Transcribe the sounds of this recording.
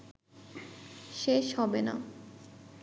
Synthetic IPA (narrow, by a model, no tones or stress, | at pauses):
ʃeʃhɔbena̰